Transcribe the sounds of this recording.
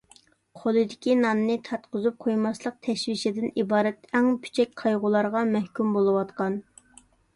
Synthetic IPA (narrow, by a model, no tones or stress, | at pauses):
qʰolˠɨd̪ɪkʲinɑnːɨt̪ʰɑt̪qʊzup̚qʰojmɑslˠəq̚t̪ʰɛʃwiʃɪd̪ɪnibɑːɾɛt̪ɛŋpʰy̥t͡ʃʰɛk̚ʲqʰɑjʁʊlˠɑɾʁɑmɛhkʲymbolˠɨwɑt̪qɑn